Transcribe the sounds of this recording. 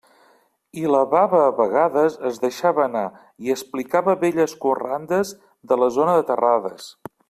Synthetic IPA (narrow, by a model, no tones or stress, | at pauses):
iləβaβəːβəɣaðəzəzðəʃaβəːna | iəsplikaβəβeʎəskurand̪əz | ðələzonəðət̪əraðəs